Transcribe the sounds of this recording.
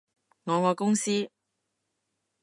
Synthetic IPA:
ŋɔː˨˧ŋɔː˨˧kʊ˥ŋsiː˥

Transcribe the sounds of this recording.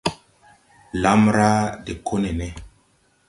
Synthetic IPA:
la˦mɾa˦de˨kʰo˦ne˨ne˦

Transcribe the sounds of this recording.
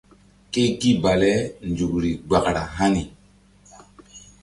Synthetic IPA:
ke˦ki˦ba˨lɛ˦nd͡ʒu˨kɾi˨ɡ͡ba˨kɾa̰˨ɦa˦ni˨

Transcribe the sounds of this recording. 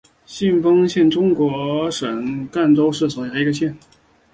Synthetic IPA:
ɕi˥˩nfɤ˥ŋɕjɛ˥˩nʈ͡ʂʊ˥ŋkwɔ˧˥ʂə˨˩ŋka˥˩nʈ͡ʂo˥ʊʂɻ̩˥˩swɔ˨˩ja˧˥i˧˥ɡə˧ɕjɛ˥˩n

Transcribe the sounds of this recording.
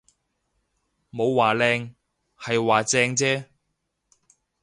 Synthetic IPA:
mo˨˧wːaː˨˩lɛː˧ŋ | hɐ˨jwaː˨t͡sɛː˧ŋt͡sɛː˥

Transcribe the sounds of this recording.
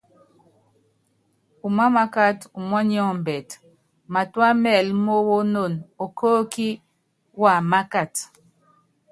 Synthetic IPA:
u˨ma˦ma˦ka˦tu˨mɔ˦ɲ˦ɔ˦m˨bɛ˨t | ma˨twa˦mɛ˦˨lmo˦wo˦no˦˨no˨ko˦ki˦ | wa˨ma˦ka˨t

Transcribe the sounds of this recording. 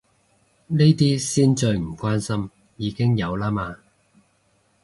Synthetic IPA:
ne˥jt̪iː˥siː˥nt͡sɵ˧ɥm̩˨˩kʷwaː˥nsɐ˥m | jiː˨˧kɪ˥ŋjɐ˨˧wlaː˥maː˧

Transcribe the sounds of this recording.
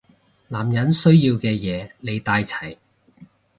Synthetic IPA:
laː˨˩mjɐ˨˥nsɵ˥ɥjiː˧wkɛː˧jɛː˨˧ne˨˧jt̪aː˧jt͡sʰɐ˨˩j

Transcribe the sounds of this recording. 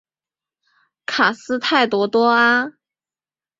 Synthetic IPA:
kʰa˨˩sɹ̩˥t̪ʰa˥˩ɪt̪wɔ˧˥t̪wɔ˥a˥

